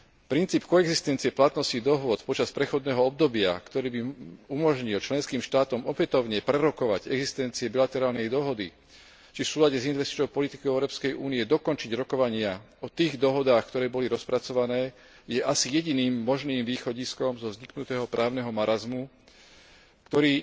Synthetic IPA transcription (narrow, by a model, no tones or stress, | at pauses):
pɾint͡siːpkɔɛɡzist̪ɛnt͡siɛplat̪nɔscid̪ɔɦʊɔt̪pɔt͡ʃaspɾɛxɔd̪nɛːɦɔɔb̚d̪ɔbɪa̰kt̪ɔɾiːbiumɔʒɲilt͡ʃlɛnskiːmʃt̪aːt̪ɔmɔpɛt̪ɔʊɲɛpɾɛɾɔkɔʋaɟɛɡzist̪ɛnt͡siɛbilat̪ɛɾaːlnɛjd̪ɔɦɔd̪i | t͡ʃifsuːlaɟɛzinʋɛst̪i̥t͡ʃnɔʊpɔlit̪i̥kɔʊɛʊɾɔːpskɛjʔuːniɛd̪ɔkɔnt͡ʃiɟɾɔkɔʋaɲɪa | ɔt̪iːɣd̪ɔɦɔd̪aːxkt̪ɔɾɛːbɔliɾɔspɾat͡sɔʋanɛː | jɛʔasijɛɟiniːmːɔʒniːmʋiːxɔɟiskɔmzɔvzɲiknut̪ɛːɦɔpɾʔaːʊnɛɦɔmaɾazmu | kt̪ɔɾiː